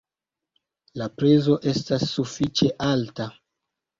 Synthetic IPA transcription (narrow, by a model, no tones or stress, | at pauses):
lapɾezo̞ʔe̞stasːufit͡ʃe̞ʔalta